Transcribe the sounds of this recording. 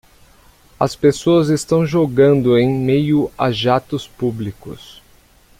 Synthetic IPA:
ɐ̰spesoɐzest̪ɐ̃w̃ʒoɡɐ̃nd̪ʊẽj̃mejʊa̰ʒat̪ʊspublikʊ̰s

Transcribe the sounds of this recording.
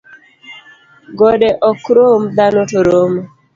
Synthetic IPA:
ɡɔdɛʔɔkɾomd̪anotoɾom

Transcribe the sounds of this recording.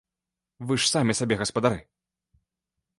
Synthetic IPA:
vɨʂsamʲɛsabʲɛɣɐspɐd̪aɾɨ

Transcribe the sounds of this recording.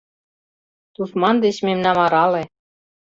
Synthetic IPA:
t̪ut̪mɑnd̪et͡ɕmemnɑmɑɾɑle

